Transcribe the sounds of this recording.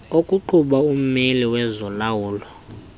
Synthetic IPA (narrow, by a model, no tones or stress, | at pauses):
okʼuǃʰuɓaum̩meliwɛzɔlawuːlɔ